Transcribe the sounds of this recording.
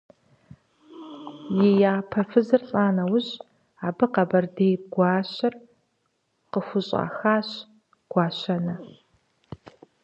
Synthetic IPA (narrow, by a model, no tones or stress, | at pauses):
jɪjaːpʰɐfɨzɨrɬʼaːnɐwʊɕ | aːbɨqɐbɐrdejɡʷɑːɕɐr | qəxʷʊɕʼa̰ːxaːɕ | ɡ̥ʷɑːɕɐnɐ